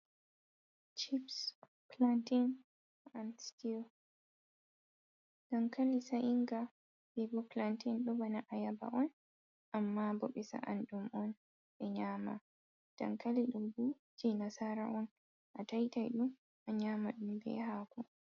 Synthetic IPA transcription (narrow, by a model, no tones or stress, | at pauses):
t͡ʃips | plantin | ansti | d̥ankalisaʔiŋɡa | bɛbɔplantinɗɔbanaʔajaba̰ʔɔn | ʔamːabɔɓɛsa̰ʔa̰nɗumʔɔn | ɓɛɲaːma | d̥a̰ŋkaliɗumbu | d͡ʒinasaɾa̰ʔɔn | ʔatajtajɗum | ʔaɲaːmaɗumbɛ̰ɦaːkɔ